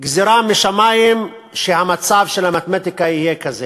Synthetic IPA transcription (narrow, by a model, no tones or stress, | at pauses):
ɡziɾamiʃamajim | ʃehamat͡savʃelamat̪mat̪ikaijekaze